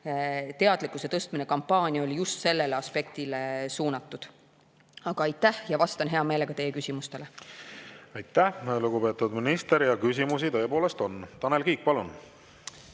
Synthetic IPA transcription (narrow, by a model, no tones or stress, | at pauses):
t̪e̞ɑd̪̥likːˑuset̪ɤst̪mine̞kɑmpːɑːnʲiɑolʲijust̪se̞lːe̞leɑspe̞k̚t̪ilesuːnɑt̪ːˑud̪̥ | ɑɡ̥ɑɑjt̪ːæhjɑvɑst̪ɑnɦe̞ɑme̞ːlekɑt̪e̞jːekysʲimust̪e̞le | ɑjt̪ːˑæluɡupe̞ːt̪ud̪minist̪eɾjɑkys̬ʲimus̬it̪ɤ̞epo̞ːlest̪o̞nt̪ɑnelkiːk̚pɑlun